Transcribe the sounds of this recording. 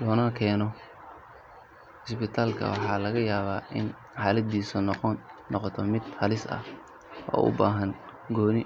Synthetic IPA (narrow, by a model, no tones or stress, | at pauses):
lɔːnɐkʰɛːnɔ | ɪsbɪt̪ʰaːlkʰɐ̰wɑħɑːlɐɣɐjaːβaːʔɪn | ħɑːlɐd̪iːsʊnɔnːɔqɔt̪ʰɔmɪd̪̥hɐlɪsɐ̰h | wɔ̰ːʔʊ̰baːɦɐn | ɡɔːnɪ